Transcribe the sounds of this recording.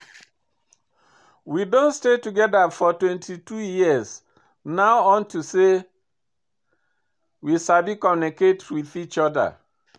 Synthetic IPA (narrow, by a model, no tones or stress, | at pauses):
widõnstetuɡɛdafɔtwɛ̃ntʰitujiəz | naʊɔ̃ntuse | wisabikɔmnɛketwiθit͡ʃɔda̰